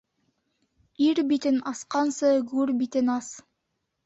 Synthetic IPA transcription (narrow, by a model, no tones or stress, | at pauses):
iɾbit̪ɘnɑsqɑnsɤɡʉɾbit̪ɘnɑs